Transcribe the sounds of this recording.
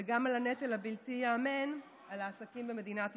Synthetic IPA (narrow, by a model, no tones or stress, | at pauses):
eɡamalanetelabiltiaːmen | alaːsakimbeme̞d̪inat